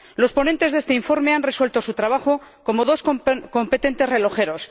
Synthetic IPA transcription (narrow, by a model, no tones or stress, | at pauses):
lo̞spo̞ne̞nt̪e̞zðe̞st̪e̞iɱfo̞ɾme̞anre̞swe̞lt̪o̞sut̪ɾaβ̞aχo̞ko̞moð̞o̞sko̞mpe̞t̪e̞nt̪e̞zre̞lo̞xe̞ɾo̞s